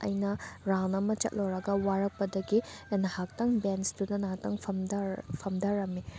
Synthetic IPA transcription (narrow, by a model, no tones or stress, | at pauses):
ɐ̰jnɐɾawnɐmɐt͡ʃɐ̰t̚lowɾɐɡɐwaɾɐk̚pɐdɐɡinɐhak̚tɐŋbensdunɐnatɐŋpʰɐpʰɐmdɐɾɐmi